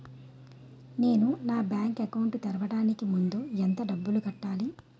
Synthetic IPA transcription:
ne̞ːnunaːbjaːŋkɐkɐwuɳʈt̪ɐɾɐʋɐɽaːnikimund̪uent̪ɐɖɐbːuluɡɐʈːaːli

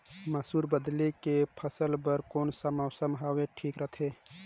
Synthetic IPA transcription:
məsuːɾbəd̪likepʰəsəlbəɾkoːnsəmaʊsəmɦaːweʈʰiːkɾət̪ʰeː

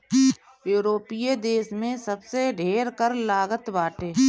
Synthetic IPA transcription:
juːɾoːpijed̪eːsmẽsəbseɖʱeːɾkəɾlaːɡət̪baːʈeː

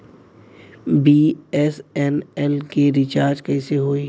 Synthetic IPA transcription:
biɛsɛnɛlkeɾɪt͡ʃaːɾd͡ʒkɛɪseɦoːiː

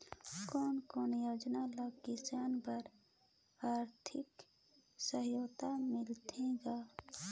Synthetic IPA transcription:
kɔːnkoːnjoːd͡ʒnaləɡkɪsaːnpəɾ | aːɾt̪ʰɪk | səɦjoːt̪amɪlt̪ʰẽɡaː

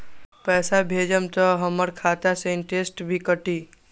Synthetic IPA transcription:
pɛːsabʱeːd͡ʒəmt̪əɦɐməɾkʰaːt̪asẽːɳʈesʈbʱikəʈiː

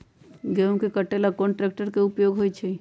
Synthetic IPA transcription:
ɡemkekəʈelakɔ̃ɳʈɾɛːk̚ʈəɾkeʊpjoːɡɦojt͡ʃʰe

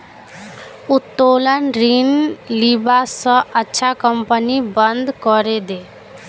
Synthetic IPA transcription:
ut̪ːolənɾinlibasə̃ʔətːʃʰakəmpənibənd̪ʱkɔɾed̪eː

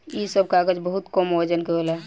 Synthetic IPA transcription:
isəb̚kaɡəd͡ʒbəɦut̪kəməd͡ʒənkeɦola

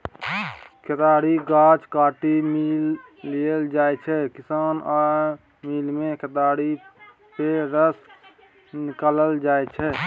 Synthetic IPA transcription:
kʰet̪aːɽiɡaːt͡ʃkaːʈimiːlːiəld͡ʒaːet͡ʃʰɛkɪsaːna | miːlmẽkət̪aːɽi | peɾəs | nɪkələld͡ʒaːet͡ʃʰɛ

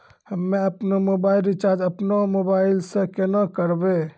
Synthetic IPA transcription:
həmːeəpnomobaɪlɾit͡ʃaɾd͡ʒəpnomobailsẽkenakəɾbe

